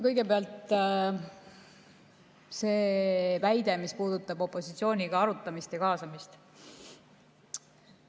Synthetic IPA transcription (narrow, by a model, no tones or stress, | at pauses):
kɤjɡe̞peɑlt̪ˑ | se̞ːvæjd̪̥e̞mispuːd̪̥ut̪ːˑɑb̥o̞pːˑo̞sit̪sio̞ːnʲiɡ̥ɑɑɾut̪ːˑɑmist̪jɑkɑːsɑmist̪